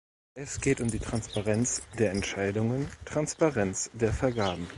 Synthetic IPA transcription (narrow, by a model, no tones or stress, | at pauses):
ʔɛsɡ̥eːtʊmdiːtʁ̥anspaʁɛnt͡sd̥eːɐɛntʃaɪdʊŋəntʁ̥anspaʁɛnt͡sd̥eːɐfɛɐɡaːbm̩